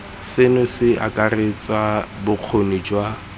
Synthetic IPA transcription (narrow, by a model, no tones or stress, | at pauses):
sɪnʊsɪʔa̰kʼaret͡sʼwabʊq͡χʰonid͡ʒwa